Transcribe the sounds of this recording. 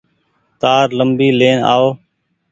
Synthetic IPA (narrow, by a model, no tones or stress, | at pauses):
t̪aːɾləmbiːleːna̰ːoː